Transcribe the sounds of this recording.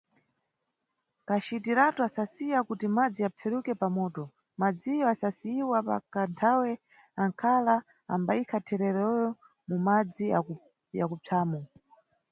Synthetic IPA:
kat͡ʃitiɾatuasasijakutimad͡ziapʰɛɾukɛpamɔːtɔ | mad͡zijɔasasiiwapa̰kantʰawɛ | aŋkʰala | a̰mbaikʰatʰɛɾɛɾɛjɔ | mumad͡zia | ja̰kupʰaːmɔ

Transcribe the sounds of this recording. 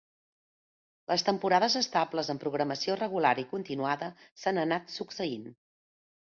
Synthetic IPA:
ləst̪əmpuɾaðəzəst̪abləzəmpɾuɣ̞ɾəməsiorəɣulaɾikunt̪inuaðəsanənat̪suksəin

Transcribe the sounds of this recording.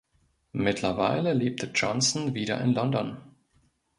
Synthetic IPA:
mɪtʰlɐvaɪləleːp̚tʰəd͡ʒɔnsn̩viːɾɐ̰ʔɪnlɔndɔn

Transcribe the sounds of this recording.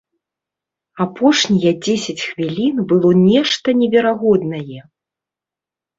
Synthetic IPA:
apʰɔʂnʲijɛd͡zʲesʲɐt͡sʲxvʲilʲinbɨlˠɔnʲɛʂt̪ɐnʲɛvʲɛɾaɣɔd̪nɐjɛ

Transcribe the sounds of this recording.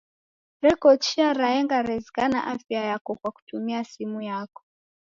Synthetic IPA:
ɾɛkɔt͡ʃiaɾaɛŋɡaɾɛzɛkana̰ʔafjajakɔkwaku̥tumiasimujakɔ̥

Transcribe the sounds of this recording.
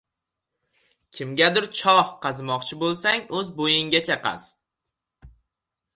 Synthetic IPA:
kʲʰɪmɡʲad̪ɪɾt͡ʃʰɒhqɑzmɒqt͡ʃʰɪbolˠsaŋɵzbojɪŋɡʲat͡ʃʰaqʰɑ̰s

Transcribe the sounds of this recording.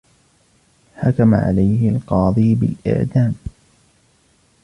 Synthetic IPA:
ħakama̰ʕa̰lajhɪlqɑːd̪ˤiːbɪ̰lʔɪ̰ʕd̪aːm

